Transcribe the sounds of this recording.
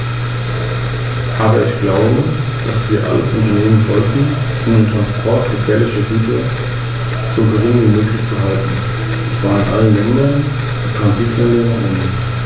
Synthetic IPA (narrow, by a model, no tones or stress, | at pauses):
ʔaːbɐɪçɡ̥laʊbə | d̥asv̥iːɐʔa̰ləsʊ̰ntɐneːmənzɔltn̩ | ʔʊmdntʁ̥anspʰɔɐtɡ̥əfɛːɐlɪçəɡyːtɐ | z̥oɡəʁɪːŋnvimøːklɪçt͡suɦaltn̩ | ɛsv̥aːʁɪnʔa̰lənlɛndɐn | dipʁ̥anziːplɛnlenɐʔɛnɪt